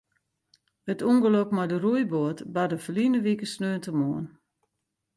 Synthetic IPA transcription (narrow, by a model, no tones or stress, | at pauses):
ətuŋɡəlopmɔjdərujboətbadəfəlinəʋikəsnøːntəmoən